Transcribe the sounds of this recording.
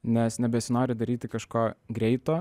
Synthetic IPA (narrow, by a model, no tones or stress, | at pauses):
nʲɛsnʲɛbʲɛsʲɪnoːɾʲɪd̪ɐɾʲiːt̪ʲɪkɐʃkoːɡɾʲɛɪt̪oː